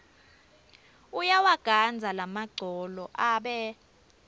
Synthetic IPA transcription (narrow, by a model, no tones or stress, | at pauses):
ujawaɡ̥ʱand͡zʱalamaɡ͡ǀʱɔlɔʔaɓɛ